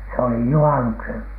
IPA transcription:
se oli juhɑnuksen

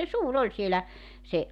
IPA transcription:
se suːr olʲ sielæ se

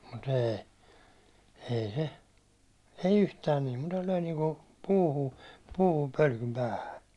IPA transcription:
mut eː ei se ei yhtæːn niː mutːɑ løi niːŋku puːhu puːhum pølkym pæːhæ

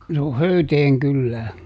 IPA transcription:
se o høyteːŋ kylːæː

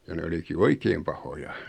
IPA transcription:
jɑ ne oliki oikeːm pɑhojɑ

